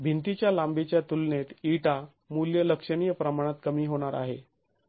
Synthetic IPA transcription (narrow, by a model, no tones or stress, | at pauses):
bʱint̪it͡ɕjalãmbet͡ɕjat̪ulnet̪iʈa | muljələkʂəɽ̃iːjəpɾəmaɽ̃at̪kəmiːɦoɽ̃aɾa̰ɦḛ